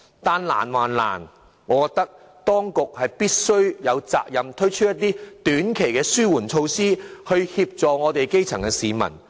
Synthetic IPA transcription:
t̪aː˨nla̰ː˨˩nwaː˨˩nla̰ː˨˩n | ŋɔː˨˧˥kɔː˨˧k̚t̪ɐ˥k̚ | t̪ɔː˥ŋkʊ˨k̚hɐ˨jpiː˥t̚sɵ˥ɥjɐ˨˧wt͡sa̰ː˧k̚jɐ˨mt̪ʰɵ˥ɥt͡ʃʰɵ˥jɐ˥t̪̚ːiː˥t̪yː˨˥nkʰe˨˩jkɛː˧syː˥wuː˨˩nt͡ʃʰo˧wsiː˥hɵ˧ɥhiː˧p̚t͡sɔː˨ŋɔː˨˧t̪e˨jke˥jt͡sʰɐ˨˩ŋkɛ˧siː˨˧mɐ̰˨˩n

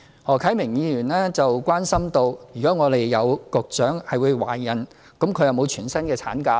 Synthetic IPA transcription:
hɔː˨˩kʰɐ˨˥mɪ˨˩ŋjiː˨˧jyː˨˩nɛː˥t͡sɐ˨wkʷaː˥nsɐ˥mt̪o˧wjyː˨kɔː˨˥ŋɔː˨˧t̪e˨jːɐ˨˧wkʊ˨k̚t͡ʃœː˨˥ŋhɐ˨jwuː˨˧jwa̰ː˨˩jjɐ˨n | kʊ˨˥mkʰɵ˨˧jɐ˨˧wmo˨˧wt͡ʃʰyː˨˩nsɐ˥nkɛː˧t͡sʰaː˨˥nkaː˧

